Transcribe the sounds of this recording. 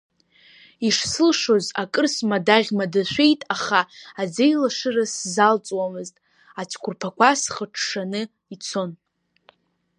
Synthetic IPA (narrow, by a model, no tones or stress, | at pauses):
iʂsɨlʂo̞zakʼɨrsmadaʁʲmadaʃʷᶣe̞jtʼaχaːd͡zejlaʂɨraszalt͡sʼwamɨztʼ | at͡ʃʷʰkʷʰʊrpʰakʷʰasχəʈ͡ʂʰʂanɨ | it͡sʰo̞n